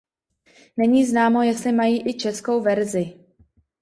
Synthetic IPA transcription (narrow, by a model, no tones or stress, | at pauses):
nɛɲiːznaːmo̞jɛst̪lɪmajiːʔɪt͡ʃɛsko̞wvɛɾzɪ